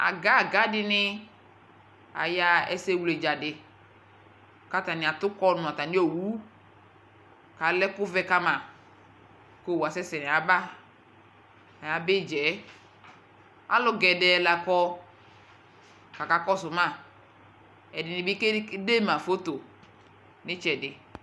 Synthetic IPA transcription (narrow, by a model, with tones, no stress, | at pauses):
a̰˨ɡa˦˨ɡa˨˦dɪ˦nɪ˦ | a̰˨ja˨ɛ̰˦se˦wu˨le˨d͡ʒa˨dɪ˨ | ka˨ta˨nɪ˨a˨tʊ˦kɔ˦nʊ˨a˨ta˨nɪ˦o˨wu˦ | ka˨lɛ˦kʊ˦vɛ˦ka˦ma˨ | ko˦˨wa˨sɛ˦sɛ˨n˨a˨˦ba˦ | a˨ja˨bɪ˦˨d͡ʒɛ˨˦ | a̰˦lɔ˨ɡɛ˨dɛ˨la˨kɔ˦ | ka˨ka˨kɔ˦sʊ˨ma˦˨ | ɛ˨dɪ˨nɪ˨bɪ˦ke˦de˦ma˨fo˦to˨ | nɪ˦t͡ʃɛ˨dɪ˨